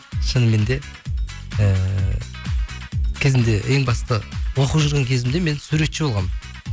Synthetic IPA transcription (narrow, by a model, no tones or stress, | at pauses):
ʃənəme̞nd̪e̞ | ə | kʲʰɪzɪnd̪e̞ʔeŋbɑst̪əwoquʒəɾʁɑŋkʲʰezɪmd̪e̞me̞nsuɾe̞t̪ʃɪbo̞lˠʁɑm